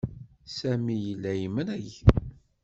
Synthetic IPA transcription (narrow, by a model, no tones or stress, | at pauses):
sæmijəlːæjmənæjç